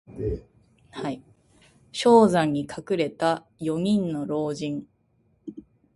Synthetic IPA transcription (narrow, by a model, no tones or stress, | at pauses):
hai | ɕo̞ːzãɲ̟ːikʰakɯ̟ɾe̞t̪a | jo̞ɲ̟ĩnːo̞ɾo̞ːd͡ʑĩŋ